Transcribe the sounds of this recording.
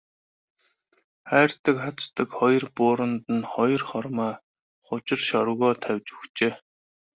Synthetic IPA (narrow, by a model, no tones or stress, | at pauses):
χæːr̥t̪ə̆kχat͡st̪ə̆kχɔj̆rpʊːɾə̆nt̪ə̆nχɔj̆rχɔrmaː | χʊt͡ɕɪ̆rʃɔɾɣɔːt̪ʰæwʲt͡ɕɵ̥xt͡ɕeː